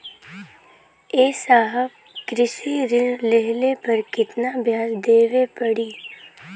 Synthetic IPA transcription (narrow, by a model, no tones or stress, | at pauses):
eːsaːɦəb | kɾɪʃiɾɪnlɛɦlepɐɾkɪt̪nabʱjaːsd̪eːʋepɐɽiː